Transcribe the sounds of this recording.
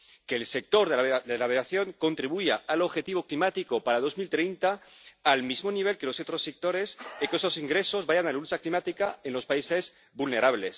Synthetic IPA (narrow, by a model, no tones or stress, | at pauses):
keːlse̞k̚t̪o̞ɾðeβðelaβeaθjo̞ŋko̞nt̪ɾiβ̞uʝaalo̞βxe̞t̪iβ̞o̞klimat̪ikopaɾað̞o̞zmilt̪ɾejnt̪aːlmizmo̞niβ̞e̞lkeloset̪ɾosek̚t̪o̞ɾesikesosiŋɡɾe̞so̞zβaʝanalaut͡ʃaklimat̪ikaenlo̞spaise̞z | bulne̞ɾaβ̞les